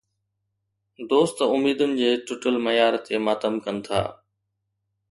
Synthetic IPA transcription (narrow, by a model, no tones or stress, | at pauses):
d̪oːst̪ʊmiːd̪ʊnɪ̆d͡ʑeːʈʊʈəlmɐjaːɾt̪ʰemaːt̪əmkənɪ̆t̪ʰa̰ː